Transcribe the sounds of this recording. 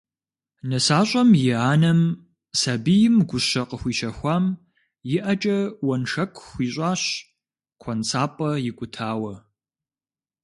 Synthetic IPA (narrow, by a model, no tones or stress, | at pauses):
nɐsaːɕʼɐmjɪaːnɐm | sɐbijɪmɡʷʊɕɐqəxʷiːʃɐxʷaːm | jɪʔɐt͡ʃʼɐwɐnʂɐkʷʰʼxʷiːɕʼaːɕ | kʷʰɐnt͡sʰaːpʼɐjɪkʷʼʊtʰaːwɐ